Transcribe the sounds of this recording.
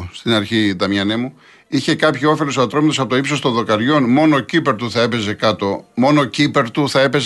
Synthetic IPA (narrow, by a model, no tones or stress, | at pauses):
st̪inɐɾçit̪ɐmɲɐnemu | içe̞kɐpçio̞fe̞losoɐt̪ɾo̞mɐt̪osɐpot̪oipsost̪o̞nðo̞kɐɾʝo̞nmo̞no̞cipe̞ɾt̪uθɐe̞pe̞ze̞kɐt̪o̞mo̞nocipe̞ɾt̪uθɐe̞pe̞z